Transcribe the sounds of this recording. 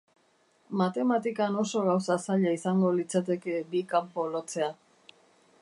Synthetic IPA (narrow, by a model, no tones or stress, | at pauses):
mat̪e̞mat̪ikano̞so̞ɣawsasaʎaisaŋɡo̞lit͡sat̪̬e̞ke̞bikampo̞lo̞t͡se̞a